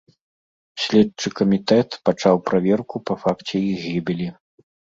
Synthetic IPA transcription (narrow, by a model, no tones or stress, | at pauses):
sʲlʲɛt͡ʂɨkɐmʲit̪ɛt̪pat͡ʂawpɾavʲɛrkupɐfakt͡sʲɛiɣʲibʲilʲi